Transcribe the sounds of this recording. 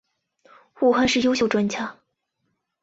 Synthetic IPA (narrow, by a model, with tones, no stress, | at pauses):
xu˥˩xa˥˧nʂɻ̩˥˩jo˥ʊɕjo˥˩ʊʈ͡ʂwa˥nt͡ɕʰja˥